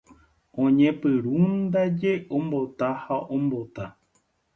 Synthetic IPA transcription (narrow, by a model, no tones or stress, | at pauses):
õɲẽpɨɾund̪ad͡ʒeʔõmbo̞t̪ahaʔõmbot̪a